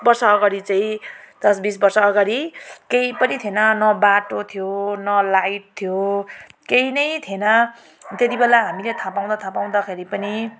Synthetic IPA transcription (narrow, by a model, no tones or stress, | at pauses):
bʌrsʌːɡaɽit͡saĩd̪̥ʌsbisbʌrsʌːɡaɽikejpʌnit̪ʰjenʌnʌbaʈot̪ʰijonʌlajʈ̚t̪ʰjokejnʌjt̪ʰenʌ | t̪et̪ibelaɦamilet̪ʰapaw̃d̪at̪ʰapaw̃d̪akʰeɾipʌni